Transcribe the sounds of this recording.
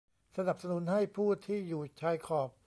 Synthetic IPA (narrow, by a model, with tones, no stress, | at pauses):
sa˧na˨˩p̚sa˧nu˩˦nha˥˩jpʰuː˥˩t̪ʰːiː˥˩juː˨˩t͡ɕʰaː˧˥jkʰɔː˨˩p̚